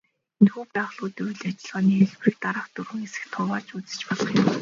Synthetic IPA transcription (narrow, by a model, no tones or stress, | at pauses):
enxuːpæːʁɮʊːt̪ʊjɮat͡ɕɪ̆ɮʁaːniːeɮprĭk̚t̪aɾəːχt̪urɣɘ̆ŋesɘ̥̆xt̪ʰʊːwaːt͡ɕut͡sɘ̥̆t͡ɕpɔɮɞ̆χjɪm